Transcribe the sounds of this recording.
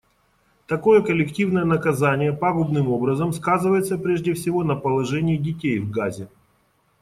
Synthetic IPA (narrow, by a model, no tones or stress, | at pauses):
t̪ɐko̞jəkəlʲɪktʲivnəjənəkɐzanʲɪjəpaɡʊbnɨmo̞bɾəzəmskazɨvəjɪt̪səpɾʲeʐdʲɪfsʲɪvo̞nəpəlˠɐʐɛnʲɪːdʲɪtʲejvɡazʲɪ